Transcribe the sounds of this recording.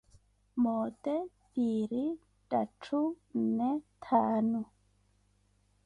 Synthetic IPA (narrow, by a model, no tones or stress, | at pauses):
moːte | biːɾi | tʼatʰu | netʰaːnu